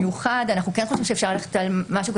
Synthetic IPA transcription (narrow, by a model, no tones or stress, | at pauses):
juχad̪anaχnukenχoʃimʃefʃaʁlaleχe̥talmaʃuːka